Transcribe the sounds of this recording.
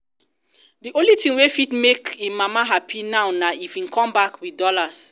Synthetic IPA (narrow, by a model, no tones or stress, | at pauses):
diʔõlitĩŋwefitmekemamaɦapʰinaʊnaifĩnkɔ̃mbakwidɔlas